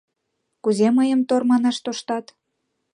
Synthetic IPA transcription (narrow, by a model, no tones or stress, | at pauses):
kuzeməjəmt̪ormɑnɑʃt̪oʃt̪ɑt̪